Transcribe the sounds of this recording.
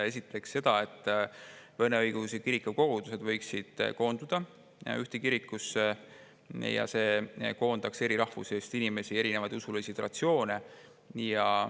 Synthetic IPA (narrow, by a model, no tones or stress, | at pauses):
e̞sit̪ːˑe̞ksːe̞d̪̥ɑe̞t̪ːˑvɤneɤjɡ̥usekiɾikːuko̞ɡ̥ud̪̥use̞d̪vɤjksid̪̥ko̞ːnd̪̥ud̪̥ɑ | yht̪ekiɾikːˑuse | jɑ̰se̞ːko̞ːnd̪ɑkse̞ɾiɾɑhvṵse̞ːst̪inime̞sie̞ɾine̞vɑjd̪usulisid̪̥rɑ̰t̪sjo̞ːne | jɑ